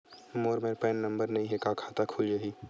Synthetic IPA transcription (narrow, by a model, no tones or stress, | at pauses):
moːɾmeːɾpɛːnːɐ̃mbəɾnɐɦĩɦɛkakʰaːt̪akʰʊljɐɦiː